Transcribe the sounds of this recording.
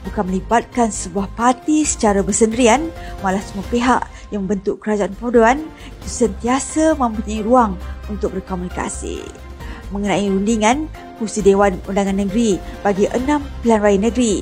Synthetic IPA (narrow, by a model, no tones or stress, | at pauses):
bukanməlibat̪̚kansəbuahpart̪isə̥t͡ʃaɾabərsəndəɾianmãlahsəmuapeɦa̰ʔ | jaŋmə̃mbənt̪ʊʔkəɾad͡ʒaʔanpodoan | it̪usənt̪iasamə̃mpuɲaiɾuaŋunt̪ʊk̚bərkomunika̰sḭ | mə̃ŋənãiɾundiŋãn | pusidewanundaŋanːəɡɾibaɡiʔə̰nãmpilanrajanəɡɾi